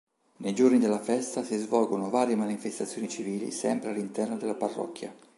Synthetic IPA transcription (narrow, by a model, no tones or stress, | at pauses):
nejd͡ʒornid̪elːafɛst̪asizvɔlɡonovaːɾjemanifest̪at̪sːjoːnit͡ʃiviːlḭsɛ̰mpɾealːint̪ɛrnod̪elaparːɔ̰kːja̰